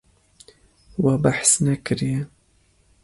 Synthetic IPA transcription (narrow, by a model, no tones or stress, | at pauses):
wabaħsnakɪɾja